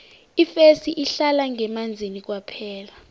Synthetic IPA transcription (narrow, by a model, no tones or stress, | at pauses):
ifesiʔiɬalaŋɛmand͡zʱinik̬ʼwapʰɛːla